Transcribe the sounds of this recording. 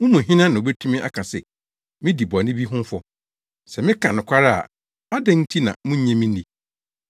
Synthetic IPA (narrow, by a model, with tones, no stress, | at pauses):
mʊ̃˦mũ˨ɦɪ̃˦nã˦nã˨o˨be˦tʰũ˦mɪ̃˦ʔa̰˦kʰã˨sɛ˨ | mɪ̃˦di˨bnɪ̃˦bi˦ɦʊ̃˦m˦fɔ˦ | sɛ˨mɪ̃˦kʰã˨nʊ̃˨kʷʰa˦ɾa˦a̰˨ | ma˦dɛ̃˦n̩˦tʰi˦nã˨mʊ̃˦ɲɛ̃˦mĩ˦nĩ˨